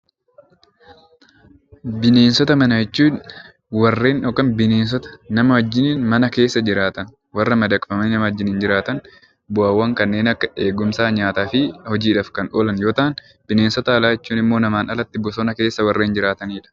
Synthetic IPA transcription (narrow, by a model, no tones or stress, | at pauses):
bɪne̞ːnsɔt̪ɐmɐnɐjɛt͡ʃːuːn | wɐrːe̞ːnʔɔkːɐnbɪne̞ːns̬ɔt̪ɐ̥nɐmɐhɔd͡ʒːɪniːnmɐnɐke̞ːsːɐd͡ʒɪɾaːt̪ɐn | wɐrːɐmɐd̪ɐkʼfɐmɐninɐmɐɔd͡ʒːɪniːnd͡ʒɪɾaːt̪ɐn | bʊaːwːɐŋkɐnːe̞ːnɐkːɐe̞ːɡʊmsaːɲaːt̪aːfɪhɔd͡ʒiːᶑɐːfkɐnʔoːlɐnjo̞ːt̪aːn | bɪne̞ːnsɔt̪ɐːlaːjɛt͡ʃːuːnɪmːo̞ːnɐmaːnɐlɐt̪ːɪbʊsɔnɐke̞ːsːɐwɐrːeːnd͡ʒɪɾaːt̪ɐniːᶑɐ̥